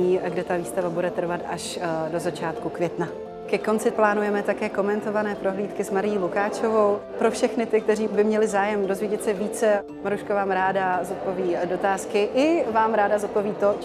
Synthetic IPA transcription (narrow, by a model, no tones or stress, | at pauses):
iːɡdɛt̪aviːst̪avabudɛt̪r̩vat̪aʃdo̞zat͡ʃaːt̪kukvjɛt̪na | kɛko̞nt͡sɪplaːnujɛmɛt̪akɛːko̞mɛnt̪o̞vanɛːpɾo̞ɦliːt̪kɪsmaɾɪjilukaːt͡ʃovo̞wpɾo̞fʃɛxnɪt̪ɪk̚t̪ɛɾiːbɪmɲɛlɪzaːjɛmdo̞zvjɛɟɛt̪sɛviːt͡sɛ | maɾuʃkavaːmɾaːdazot̪̚poviːdo̞t̪aːskɪʔɪvaːmɾaːdazot̪̚poviːt̪o